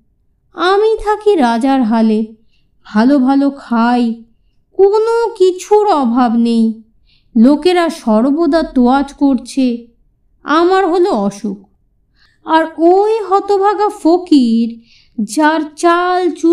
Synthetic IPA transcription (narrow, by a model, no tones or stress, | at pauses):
amit̪ʰakiɾad͡ʑaɾɦale | b̥ʱalobʱalokʰaj | konokit͡ɕʰuɾɔbʱabnej | lokeɾaʃɔɾbod̪at̪oad͡ʑkoɾt͡ɕʰe | amaɾɦoloɔʃuk̚ | aɾojɦɔt̪obʱaɡafokiɾ | d͡ʑaɾt͡ɕalt͡ɕu